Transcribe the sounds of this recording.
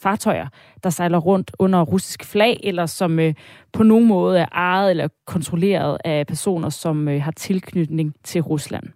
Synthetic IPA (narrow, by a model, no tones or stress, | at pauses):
fɑ̈ːt͡sʰɒ̽ɪɐ | d̥ɑ̈sɑ̈ɪlɐʁɔ̽n̰d̥ɔ̽n̰ɐʁusi̥sɡ̥flɛ̰ːɪʔelɐsɒ̽møpʰɒ̽no̝ːn̩mɔ̽ːð̞̩ˠæɐʔɑ̈ɪð̩ˠelɐɐkʰɒ̽nt͡sʰʁole̝̰ːɐð̞̩ˠæpʰæɐso̝̰ːnɐsɒ̽møɦɑ̈t͡sʰe̝lkʰnyd̥ne̝ŋt͡sʰe̝lʁuslæ̰n̰